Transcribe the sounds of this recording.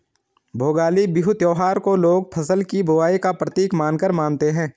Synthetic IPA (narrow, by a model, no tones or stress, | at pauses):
bʱoːɡaːlibɪɦut̪joːɦaːɾkoloːɡ̚pʰɐsəlkibʊaːikapɾət̪iːkmaːnkəɾmaːnt̪eɦɛ̃ː